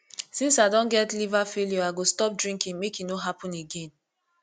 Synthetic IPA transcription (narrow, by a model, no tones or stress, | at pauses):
sĩnsadɔ̃nɡɛtlivafeljoaɡostɔp̚dɹĩŋkĩŋmekinoɦapɔ̃neɡẽn